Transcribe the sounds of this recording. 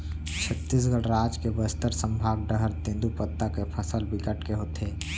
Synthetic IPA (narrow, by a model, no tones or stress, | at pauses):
t͡ʃʰət̪ːis̬ɡəɽɾaːd͡ʒkebəst̪əɾsə̃mbʱaːɡ̚ɖəɦəɾt̪ẽnd̪upət̪ːakepʰəsəlbɪkəʈkeɦoːt̪eː